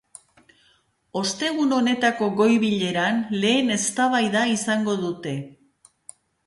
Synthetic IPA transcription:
o̞st̪e̞ɣ̞uno̞ne̞t̪ako̞ɣo̞jβiʎe̞ɾanle̞ːne̞st̪aβajðaisaŋɡo̞ðut̪e̞

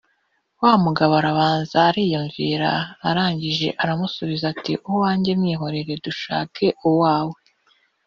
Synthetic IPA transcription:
wamuɡaβaɾaβaːnzaːɾiːjuɱviɾa̰ːɾaːɲɟiʒe̞̰ʔaɾamusuβizatiʔuwwaːɲɟe̞mŋiːɦo̞ɾe̞ɾe̞duʃa̰ːke̞ʔuwaːwe

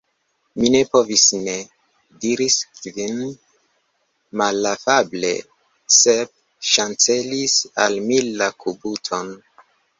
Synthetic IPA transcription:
mine̞po̞visne | diɾiskvin | malafable̞̰ | seb̚ | ʃant͡se̞lisalmilːakubutʰo̞n

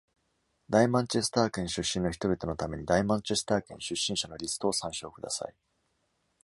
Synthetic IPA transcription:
d̪aimãɲt͡ɕe̞sɨ̥t̪aːkẽ̞ɰ̃ɕɨɕːĩno̞çi̥t̪o̞bʲit̪o̞no̞t̪ame̞ɲ̟id̪aimãɲt͡ɕe̞sɨ̥t̪aːkẽ̞ɕɨɕːĩɰ̃ɕano̞ɾʲisɨ̥t̪o̞ːsãɰ̃ɕo̞ːkɯ̟d̪a̰sa̰i

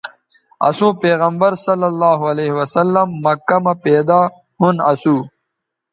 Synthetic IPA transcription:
ɐ̰sũːpeːɣɐmbɐɾsɐlːɐlːaːɦuɐleːɦiwɐsɐlːɐmːɐkːɐmɐpeːd̪aː | hunɐsuː

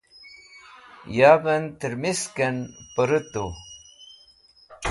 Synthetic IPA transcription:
jaːbɐnt̪əɾmiskɐnpəɾət̪o

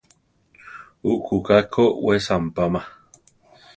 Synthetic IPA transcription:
uʔkukakʰoʔwesampama

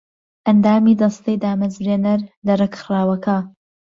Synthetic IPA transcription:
ʔɐnd̪aːmiːd̪ɐst̪ɐjd̪aːmɐzɾeːnɐɾlɐrekxɨɾaːwɐkʰɐ

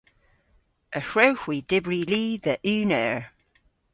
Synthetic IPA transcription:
ʔəhɹowhwid̥ɪbɹiliːðəʔʉːnəɹ

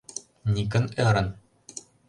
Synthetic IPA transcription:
nʲikɘ̆neɾɤ̆n

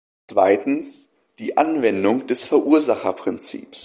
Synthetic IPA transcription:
t͡sv̥aɪtn̩s | d̥iːʔanvɛndʊŋd̥ɛsfɛɐʔuɐzaχɐpʁ̥ɪnt͡sḭːps

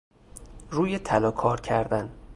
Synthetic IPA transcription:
ruːjet̪ʰælɒːkʰɒːɾcʰæɾd̪æn

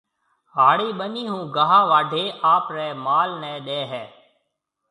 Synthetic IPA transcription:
ɦaːɽiːɓəniːɦũːɡəɦãːʋaːɖʱeːʔaːpɾɛːmaːlnɛ̃ːɗɛːɦɛː

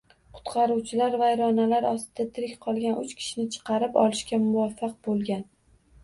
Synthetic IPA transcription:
qʰʊ̥t̪qʰɑɾuwt͡ʃʰɪlaɾvajɾɒnalaɾɒst̪ɪd̪at̪ʰɪɾɪkʲqʰɒlˠɡʲanʔʊt͡ʃkʲʰɪ̥ʃɪnɪt͡ʃʰɨ̥qʰɑɾɪpɒ̰lɪʃkʲamʊvafːɑq̚bolˠɡʲan

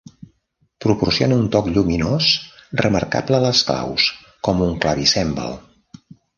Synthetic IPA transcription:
pɾupursionəunt̪ɔkʎuminosrəmə̰rka̰bləələskla̰ws | kɔmuŋklaβisɛmbə̰lˠ

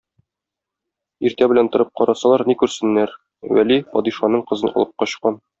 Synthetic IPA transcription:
iɾt̪æbɘ̆lænt̪ŏɾɤp̚qɒɾɑsɑlˠɑɾnikʉɾsɘ̆nːæɾ | wæ̰lipɒd̪iʃɑnɤɴqɤ̆zɤnʔɒ̰lˠɤp̚qɒɕqɑn

